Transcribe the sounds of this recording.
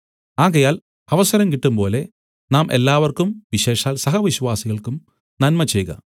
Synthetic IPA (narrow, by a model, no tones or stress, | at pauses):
aːɣɐjaːl | ɐʋɐsɐɾɐmkiʈːumpo̞ːle̞ | naːmʔe̞̰lːaːʋɐrkumʋiɕe̞ːʂaːlsɐɦɐʋiɕʋaːsiɣɐɭkum | nɐnmɐt͡ɕejɣɐ̰